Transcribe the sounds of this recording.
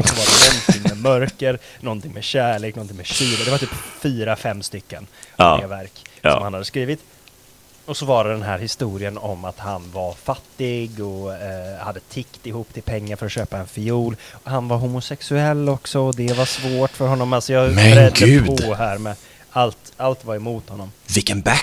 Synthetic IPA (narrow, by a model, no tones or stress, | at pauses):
ɔsɔvaɖɛnɔnt̪ʰɪŋːmɛmœɾkəɾnɔnt̪ɪŋmɛɕæːɭeːknɔnt̪ʰɪŋmɛɕyːɾad̪ɛvaɾt̪ʰyːpfyːɾafɛmːst̪ʏkːə̰nɡavæɾkɔmhanhad̪əskɾiːvɪt̪ | ɔsɔvɑːɾad̪ɛnɦæːɾhɪst̪uːɾɪənɔmat̪hanvaɾfat̪ːɪɡɔhad̪ːət̪ʰɪkt̪ɪhuːpːt̪ʰɪlpʰɛŋːaɾfœɾɔt̪ɕøːpaɛnfɪuːlɔhanvaɾɦʊmʊsɛksɵɛlːɔksɔɔd̪ɛvaʂvoːʈfœɾɦɔnːɔmalsɔjɑɡɛɾɛd̪ːəʉpːdɔɦæːɾmɛ | alt̪alt̪vaɾɛmuːt̪hɔnːɔmvɪkːənbæ